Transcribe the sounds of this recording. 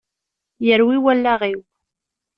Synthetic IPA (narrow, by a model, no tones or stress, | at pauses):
jəɾwiwælːaʁiw